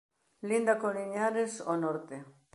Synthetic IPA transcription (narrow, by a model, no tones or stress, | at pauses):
lind̪akoniɲaɾesonoɾt̪e